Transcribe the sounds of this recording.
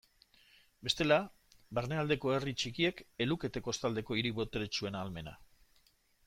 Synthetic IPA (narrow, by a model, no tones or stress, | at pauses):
be̞st̪e̞la | baɾneald̪e̞ko̞e̞rit͡ʃikie̞ke̞luke̞t̪e̞kost̪ald̪eko̞iɾiβo̞t̪eɾet͡ʃue̞naːlme̞na̰